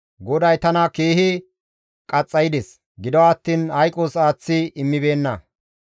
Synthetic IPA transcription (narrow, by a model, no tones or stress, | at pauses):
ɡɔd̪ɐjt̪ɐnɐkeːhɪ | kʼɐt͡sʼːɐjɪd̪ɛs | ɡɪd̪ɔwaːt̪ːiːnhɐjkʼoːsaːt͡sːɪɪmːɪbe̞ːnːɐ